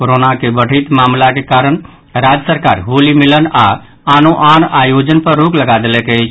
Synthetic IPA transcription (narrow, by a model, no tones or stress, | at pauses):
koɾonakebəɽ̤it̪maːmlakekaɾəñ | ɾad͡ʒjəsəɾka̰ːɾɦolimiləna | anoʔanajod͡ʒənpəɾːukləɡad̪elɛket͡ʃʰ